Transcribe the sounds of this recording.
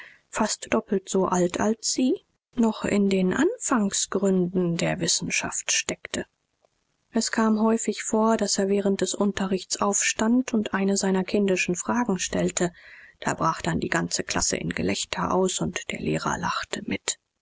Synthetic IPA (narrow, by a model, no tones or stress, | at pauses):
fastd̥ɔpl̩tz̥oʔaltʰa̰lsz̥iː | nɔχɪ̰ndeːnʔanfaŋsɡ̥ʁʏndn̩deːɐvɪsn̩ʃa̰ftʃtɛktʰə | ʔɛskʰaːmɦɔʏfɪçfoːɐdaseːɐvɛːʁ̞ənt̚d̥ɛsʔʊntɐʁɪçt͡sʔaʊfʃtantʊntʔaɪnəzaɪnɐkʰɪndɪʃn̩fʁ̥aːɡŋ̩ʃtɛltʰəd̥a̰ːbʁaːχd̥andḭːɡant͡səkʰl̥asə̰ʔɪ̰nɡə̰lɛçtʰɐʔa̰ʊsʊntd̥eːɐlḛːʁɐ̰laχtʰəmɪt